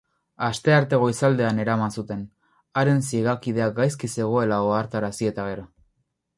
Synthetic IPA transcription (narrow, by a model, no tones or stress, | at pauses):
ast̪e̞aɾt̪e̞ɣo̞isald̪e̞ane̞ɾamansut̪e̞n | aɾe̞nsiɣakið̞e̞ak̚ɡajskise̞ɣ̞o̞e̞laoaɾt̪aɾasie̞t̪aɣ̞e̞ɾo̞